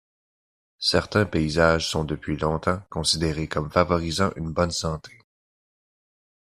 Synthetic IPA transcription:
sɛʁt̪ɛ̃peizaːʒsɔ̃d̪əpɥilɔ̃t̪ɑ̃kɔ̃sid̪eʁekɔmfavɔʁizɑ̃ʔynbɔnsɑ̃t̪ʰe̥

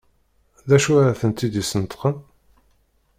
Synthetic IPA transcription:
ðæʃuɾæθənt̪ːid̪isənt̪qən

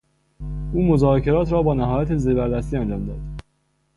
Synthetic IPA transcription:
ʔuːmo̞zɒːcʰe̞ɾɒːt̪ʰɾɒːbɒːnæɦɒːjæt̪ʰeziːɾbæɾd̪æst̪iːænd͡ʒɒːmd̪ɒ̰ːd̪̥

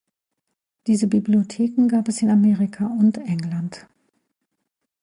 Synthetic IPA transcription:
d̥iːzəbibliotʰeːkŋ̩ɡaːpɛsɪnameːʁɪkʰaʊntʔɛŋlant

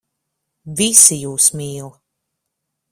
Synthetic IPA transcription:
visijuːsmiːlˠ

